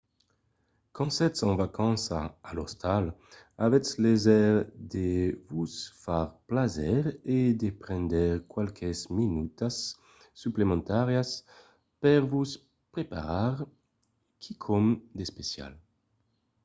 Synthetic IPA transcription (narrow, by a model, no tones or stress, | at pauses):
kɔ̃nsɛt̪sɑ̃vakãnsa̰ːlo̰st̪al | avɛt͡slezɛʁd̪evusfaʁplazɛɾed̪epɾɛ̃nd̪ɛʁkwalkʰesminut̪asː | yplemẽnt̪aʁjas | pɛʁvus | pɾepa̰ʁaɾ | kʰikʰomd̪espesja̰l